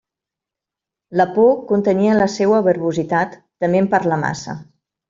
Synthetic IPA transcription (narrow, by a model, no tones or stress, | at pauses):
ləpokunt̪əniələsewəβəɾβuzit̪at̪ːəmempəɾləma̰sə̰